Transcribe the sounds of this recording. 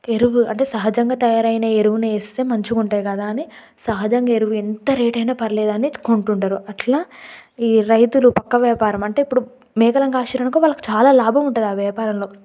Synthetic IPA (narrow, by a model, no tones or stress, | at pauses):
eɾuʋuɐɳʈe̞ːsɐɦɐd͡ʒɐŋɡaːt̪ɐjaːɾɐjneːeɾuʋuneist̪eːmɐɲt͡ʃukuɳʈaːjkɐd̪aːɐni | sɐɦɐd͡ʒɐŋɡaːeɾuʋuent̪ɐɾeːʈɐjnaːpɐɾleːd̪ɐniko̞ɳʈuɳʈaːɾuɐʈlaːiːɾɐjt̪ulupɐkːɐʋjaːpaːɾɐmɐɳʈe̞ipːuɽu | mɛːɡɐlɐŋɡaaːʃɐɾɐnɐkoːʋaːlːɐku̥t͡ʃaːlaːlaːbʱɐmuɳʈunːd̪iaːʋaːpaːɾɐmlo̞ː